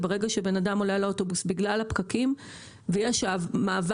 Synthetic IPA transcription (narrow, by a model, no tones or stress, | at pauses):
bee̞ɡaʃebe̞nadamo̞leleotobusbiɡlalhapkakim | vejeʃavmaːv